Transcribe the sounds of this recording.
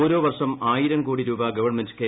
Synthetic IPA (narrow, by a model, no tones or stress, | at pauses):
oːɾoːʋɐrʂɐmaːjiɾɐmkuːɽiɾuːbɐɡɐʋɐɳmendke